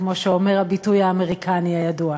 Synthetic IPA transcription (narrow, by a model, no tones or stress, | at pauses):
kmo̞ʃeomeʁabitujaːme̞ʁikʰaniajadua